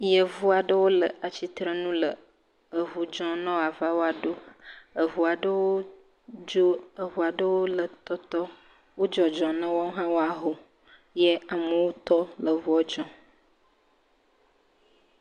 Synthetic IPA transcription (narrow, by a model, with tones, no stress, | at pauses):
jə˨vu˦a˨ɖə˦wo˦lə˨ʔa˨t͡ɕi˦t̪ɾə˦nũ˦lə˨ | ə˨ɦu˨d͡ʒɔ̃˦nɔ̃˦˨a˨va˦wo˦a˨ɖo˦ə˨ɦu˨a˨ɖə˦wo˦ | d͡ʒo˦ə˨vu˨a˨ɖə˦wo˦lə˨t̪ɔ˦t̪ɔ˦ | wo˦d͡ʒɔ˨d͡ʒɔ̃˨nə̃˦wɔ˦ɦã˦wo˦a˨ɦo˨ | je˦a˨mə˨wo˦t̪ɔ˦lə˨vu˦ɔ˨d͡ʒɔ̃˦